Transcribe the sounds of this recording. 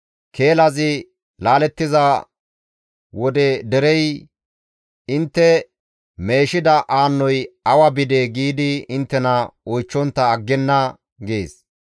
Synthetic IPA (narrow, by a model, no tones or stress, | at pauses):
kʰe̞ːlɐzɪ | laːlɛt̪ːɪza | wɔd̪ɛd̪ɛɾɛj | ɪnt̪ːɛ | me̞ːʃɪd̪ɐʔaːnːɔjɐwɐbɪd̪eɡiːd̪ɪɪnt̪ːɛnɐɔjt͡ʃːɔnt̪ːɐːɡːɛnːɐ | ɡe̞ːs